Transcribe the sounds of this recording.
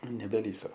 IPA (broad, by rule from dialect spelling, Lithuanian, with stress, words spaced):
nʲɛbʲɛˈlʲiːkoː